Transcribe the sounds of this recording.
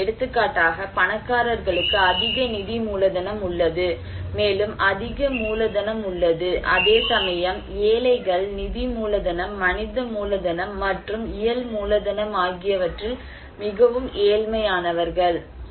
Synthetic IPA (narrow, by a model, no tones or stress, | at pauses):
ɛɽɯt̪ːɯkːaːʈːaːɣɐpɐnɐkːaːɾɐɾɣɐɭɯkːɯɐðɪɣɐnɪðimuːlɐðɐnɐmʊɭːɐðɯ | meːlɯmʔɐðɪɣɐmuːlɐðɐnɐmʊɭːɐðɯʔɐðeːsɐmɐjɐm | eːlɐɪɣɐɭnɪðimuːlɐðɐnɐmːɐnɪðɐmuːlɐðɐnɐmːɐʈrɯmɪjɐlmuːlɐðɐnɐmaːɣɪjɐʋɐʈrɪl | mɪɣɐʋɯmʔeːlmɐjaːnɐʋɐɾɣɐɭ